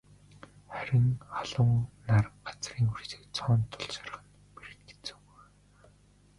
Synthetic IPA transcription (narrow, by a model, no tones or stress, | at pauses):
χæɾʲɪ̆ŋaɮʊ̆ŋnarəɢat͡sriːŋurse̥ːkt͡sʰɔːnt̪ʰːʊɮʃḁrə̆χə̆n | peɾɘ̆t̪ɡe̥t͡sɘ̥̆w